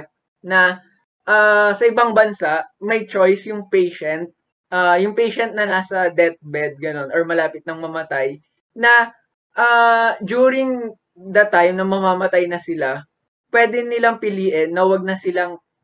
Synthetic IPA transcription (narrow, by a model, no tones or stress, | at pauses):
t̪̚ | nɐ | ʔaːsɐʔɪbaŋbɐnsaʔmɐjt͡ʃojsjʊŋpejʃɛnt̪̚ | ʔajʊŋpejʃɛnt̪̚nɐnaːsɐd̪ɛt̪̚bɛd̪̚ɡɐno̞nʔɔɹmɐlaːpɪt̪̚nɐŋmɐmɐt̪aj | nɐ | ʔaːd͡ʒuːɾɪŋ | d̪ɐt̪ajmnɐŋmɐmaːmɐt̪ajnɐsɪla | pwɛːd̪ɪnɪlaŋpɪliːʔɛnːɐwɐɡ̚nɐsɪlaŋ